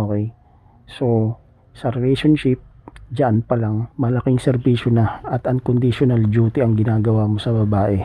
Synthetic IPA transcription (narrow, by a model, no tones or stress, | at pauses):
okɛj | so̞ | sɐɾɛlɛjʃonʃɪp̚d͡ʒɐʔanpɐlaŋmɐlɐkɪŋsɛɾbiːʃonɐɐt̪ɐŋkond̪ɪʃonald͡ʒuːt̪ɪʔɐŋɡɪnaːɡɐwaːmo̞sɐbɐbaːʔɛ